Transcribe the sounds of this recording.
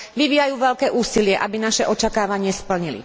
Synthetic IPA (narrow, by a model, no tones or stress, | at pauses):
ʋiʋiːjajuːʋɛʎkɛːʔuːsilɪɛʔabinaʃɛʔɔt͡ʃakaːʋaɲɪɛspl̩ɲilḭ